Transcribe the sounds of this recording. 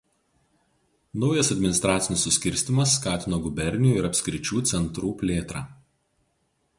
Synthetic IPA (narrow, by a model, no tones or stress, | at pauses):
nɔʊjɐsɐd̪ʲmʲɪnɪst̪ɾɑːt̪sʲɪnʲɪsːʊsʲkʲɪɾʲsʲt̪ʲɪmɐs̬ːkɑːt̪ʲɪnoːɡʊbʲɛɾʲnʲɪuːɪɾɐpʲsʲkʲɾʲɪt͡ʃʲuːt̪sʲɛnt̪ɾuːpʲlʲeːt̪ɾɑː